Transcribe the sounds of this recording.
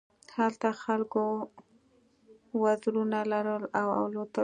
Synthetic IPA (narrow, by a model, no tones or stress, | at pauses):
halt̪axalko | wazɾunalaɾəlawa̰wlot̪a